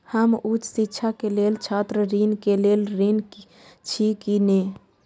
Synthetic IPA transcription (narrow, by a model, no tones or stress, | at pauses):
həmut͡ʃʰsitːt͡ʃʰakeleːlt͡ʃʰaːt̪ɾəɾinkeleːlɾin | t͡ʃʰikine